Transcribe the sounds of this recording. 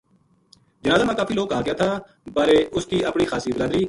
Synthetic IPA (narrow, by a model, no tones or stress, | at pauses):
d͡ʒɐnaːzaːmãkaːfiːloːɡkːəɦaːkɪjaːt̪ʰaː | baːɾeːʔʊskiːʔəpɳixaːsibɪɾaːd̪ɾiː